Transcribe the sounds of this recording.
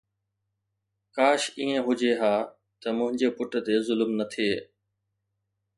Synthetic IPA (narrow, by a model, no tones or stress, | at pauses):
kaːʃiːẽɦʊd͡ʑeːɦaː | t̪əmʊ̃ɦɪ̃ɲd͡ʑeːpʊʈt̪eːzʊlmnət̪ʰeː